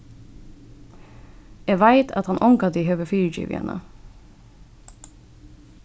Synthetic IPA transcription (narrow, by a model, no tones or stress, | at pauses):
eːʋæɪt̪ʰɑ̰t̪hɑnʔɔŋkɑd̪iːhœʋəfiːɹd͡ʒɪ̰ːʋɪ̰ə̰nʔə̰